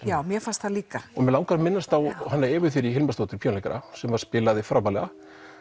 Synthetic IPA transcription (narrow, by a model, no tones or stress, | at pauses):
jaːwmjɛfast̪θaliːkaɔmɛlawŋkaɾmɪnːast̪θawɦanːaɛːvʏ̥θɪɾiɦɪlmast̪owt̪ʏɾpʰjawnlɛjkaɾa̰sɛmvaɾ̥spɪːlaðɪfɾawpaːlɛɣa